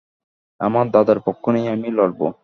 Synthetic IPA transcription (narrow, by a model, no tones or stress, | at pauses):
a̰maɾd̪ad̪aɾpɔkʰːonejamilɔɽbo̰